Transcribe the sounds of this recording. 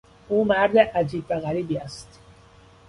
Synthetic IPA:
ʔuːmæɾd̪eʔæd͡ʒiːbvæɣæɾiːbiːæst̪

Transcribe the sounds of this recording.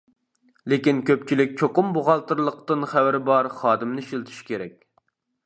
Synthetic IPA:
lekʲinkʲʰøpt͡ʃʰilɪk̚ʲt͡ʃʰoqʊmboʁɑlˠt̪ɨɾlˠəq̚t̪ɨnχæwɪɾɪbɑɾχɑːd̪ɨmnɨʃilt̪ʰy̥ʃkʲʰeɾɛkʲ

